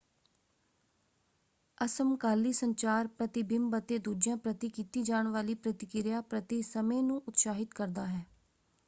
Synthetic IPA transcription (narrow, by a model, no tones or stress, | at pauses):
əsəmkaːliːsəɲt͡ʃaːɾpɾət̪ɪbɪmbət̪eːd̪uːd͡ʒjãːpɾət̪iːkiːt̪iːd͡ʒaːɳ̃ʋaːliːpɾət̪ɪkɪɾjaːpɾət̪isəmẽːnũːʔʊt̪ʃaːɦɪt̪kəɾd̪aːɦɛː